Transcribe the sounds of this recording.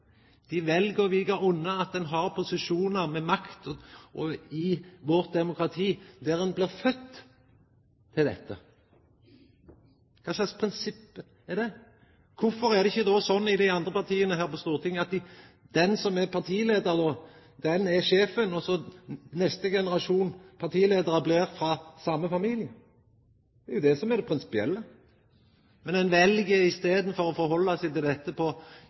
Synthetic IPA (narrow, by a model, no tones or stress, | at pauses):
d̪̥ɪʋɛlɡəʋɪɡəɾʊnːəɑt̪̚d̪ɛnɦɑɾpʰʊsɪʂuːnəɾmɛmɑkt̪ɔʔɔɪʋɔɾt̪̚d̪ɛmʊkɾɑt̪ʰiːd̪æɾɛnbliːʁfœt̪ː | ɪld̪ɛ̰t̪ːə̰ | kʰɑːslɑɪspʰɾɪnsɪpːə | ɛd̪ɛ | kʰʊfɔɾæʁd̪ɛɪçːəd̪oːsɔnːɪd̪ɪɑnd̪ʁəpʰɑʁt̪ʰiːənəɦæːɾpɔst̪uːʁt̪ʰɪŋːɑt̪̚d̪ | d̪̥ɛnsɔmɛɾpʰɑʁt̪ʰiːleːd̪əɾd̪ɔː | d̪ɛnɛʃeːfənɔsɔnɛst̪əɡɛnəɾɑʂuːnpʰɑɾt̪ʰiːleːd̪əɾəbleːɾfɾɑsɑmːəfɑmiːlɪə | d̪ɛɛɾjʊd̪ɛsɔmɛɾd̪ɛpʰɾɪnsɪ̥pɪɛ̰lːə | mɛnɛnʋɛlɡəɪst̪eːd̪n̩fɔɾɔfɔɾɦɔlːɑsɛɪt̪ɪld̪ɛt̪ːəpʰɔ